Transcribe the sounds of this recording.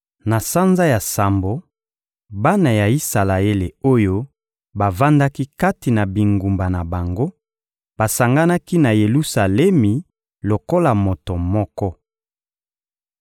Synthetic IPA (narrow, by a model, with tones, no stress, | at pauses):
na˨sa˦nza˦ja˨sa˨mbo˨ | ba˦na˨ja˨i˦sa˨la˨e˦le˨o˦jo˦ | ba˨va˦nda˦ki˦ka˦ti˨na˨bi˨ŋɡu˨mba˨na˨ba˨ŋɡo˦ | b̥a˨sa˨ŋɡa˦na˦ki˦na˨je˨lu˦sa˨lɛ˦mi˨ | lo˨ko˦la˨mo˨to˨mɔ˦kɔ˦